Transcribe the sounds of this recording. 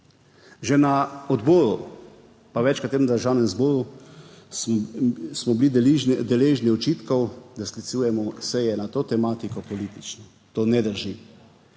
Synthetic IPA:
ʒɛnaɔd̪boːɾṵ | paʋɛt͡ʃkat̪eːɾmd̪əɾʒawnɛmzboːɾu | smɔbilid̪ɛleːʒniɔt͡ʃiːt̪kɔwd̪asklit̪suːjɛmɔsɛjɛnat̪oːt̪ɛmaːt̪ikɔpɔlit̪it͡ʃnɔ | t̪oːnɛd̪əɾʒi

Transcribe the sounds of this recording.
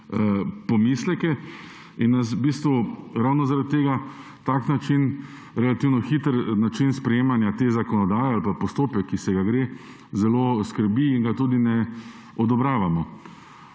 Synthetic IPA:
əpɔmislɛkɛ | inːas̬biːst̪ʋuɾawnɔzaɾat̪̚ʲːeːɡa | t̪aknat͡ʃin | ɾɛlat̪iːwnɔxiːt̪əɾnat͡ʃinspɾɛjeːmanjat̪eːzakɔnɔd̪aːjɛalpapɔst̪oːpɛkʰːisɛɡaɡɾeː | zɛloːskəɾbiːŋɡat̪uːd̪inɛ | ɔd̪ɔbɾaːʋamɔ

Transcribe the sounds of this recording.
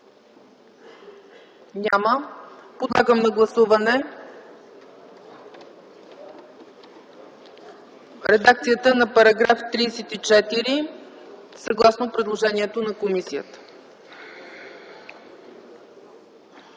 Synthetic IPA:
nʲaməpod̪lˠaɡəmnɐɡlˠɐsuvɐnɛ | ɾɛd̪akt̪sijət̪ənɐpɐɾɐɡɾaft̪ɾiːsɛt̪it͡ʃɛt̪iɾi | səɐɡlˠasnopɾɛd̪lˠoʒɛniɛt̪onɐkomisijət̪ə̥

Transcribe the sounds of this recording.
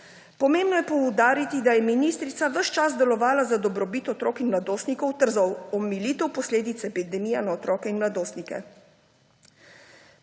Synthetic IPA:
pɔmeːmbnɔjɛpɔwd̪aːɾit̪id̪ajɛminist̪ɾit̪saʋəʃt͡ʃaz̬d̪ɛlɔʋaːlazad̪ɔbɾɔbit̪ɔt̪ɾɔːkinmlad̪oːst̪nikɔwt̪əɾzɔwɔmiliːt̪ɛwpɔsleːd̪it̪sɛɛpid̪ɛmiːjɛnaɔt̪ɾɔːkɛinmlad̪oːst̪nikɛ̰

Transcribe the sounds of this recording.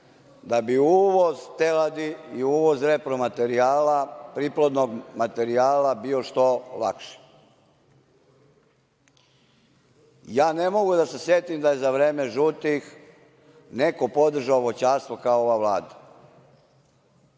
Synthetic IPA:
d̪abiuːʋozt̪elad̪iiuːʋo̞zɾe̞pɾomat̪e̞ɾiaːlapɾiplˠod̪noɡmat̪e̞ɾiaːlabioʃt̪o̞la̰kʃi̥ | jaːne̞mo̞ɡud̪ase̞sje̞t̪imd̪aje̞zaʋɾeːme̞ʒut̪ix | ne̞ko̞po̞d̪r̩ʒaoʋot͡ɕaːst̪ʋo̞kaooʋaʋlaːd̪a

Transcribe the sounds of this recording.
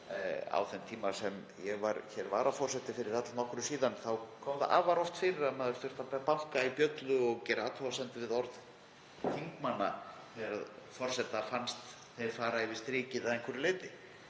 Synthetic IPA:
a̰wθɛnt̪ʰiːmasɛm | jɛɣvaɾçɛɾva̰ːɾafɔɾ̥sɛt̪ɪfɪɾɪɾ̥at̪lanɔhkɾʏsiːðanθawkʰɔːmða̰ʔa̰ːvaɾɔft̪fɪɾɪɾamɛːðʏɾ̥fʏ̥t̪apɛpahkaipjœt̪lʏɔɣcɛɾa̰ːt̪ʰɔasɛnt̪ɪvɪðɔɾð | θiŋkmanːa̰θɛɣaɾaðfɔɾ̥sɛt̪afanst̪ | θejɾ̥faːɾaɪvɪst̪ɾiːcɪðaðɛŋkʰʏɾɪlɪːt̪ɪ

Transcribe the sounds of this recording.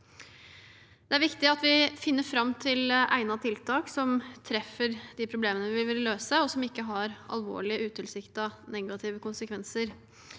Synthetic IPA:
d̪ɛæɾʋɪkt̪ɪɑt̪ʋɪfɪnːəɾfɾɑmːt̪ʰɪlʔæ̰ɪnɑt̪ʰɪlt̪ʰɑːksɔmt̪ʰɾɛfːəɾd̪̥ɪpʰɾʊbleːmənəʋɪʋɪlʋɪlløːsəɔsɔmɪkːəɦɑɾɑ̰lʋo̰ːɭɪəʔʉːt̪ʰɪlsɪkt̪ɑnɛɡɑt̪ʰɪːʋəkʊnsəkʰʋɛnsəɾ

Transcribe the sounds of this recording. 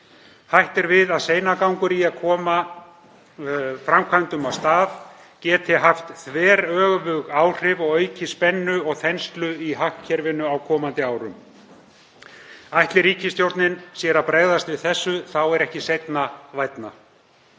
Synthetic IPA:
hajht̪ɛɾvɪðaðseːjnakawŋkʏɾiaðkʰɔːma | fɾamkʰvant̪ʏmawst̪aːv | cɛːt̪ʰɪɦaft̪θvɛːɾœːɣvʏɣaːwr̥ɪvɔɣœːɥcɪspɛnːʏɔɣθɛnst̪lʏiɦahcʰɛɾvɪnːʏawkʰɔːmant̪ɪaːwɾʏ̰m | ajht̪lɪɾiːcɪst̪jowɾt̪nɪnsjɛːɾapɾɛɣðast̪vɪðθɛsːʏθawɛɾɛhcɪsejt̪navajt̪na̰

